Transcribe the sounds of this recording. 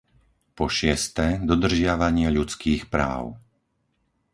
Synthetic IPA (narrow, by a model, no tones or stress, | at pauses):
pɔʃɪɛst̪ɛd̪ɔd̪r̩ʒɪaʋaɲɪɛʎut͡skiːxpɾa̰ːʊ